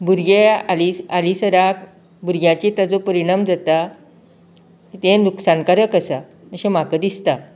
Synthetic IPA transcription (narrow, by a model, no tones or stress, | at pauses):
buɾɡealialisəɾak | buɾɡjãt͡ɕit̪ad͡zopəɾiɽ̃amd͡zat̪a | kt̪ẽnuksãnkaɾəkəsa | əɕem̤akəd̪ist̪a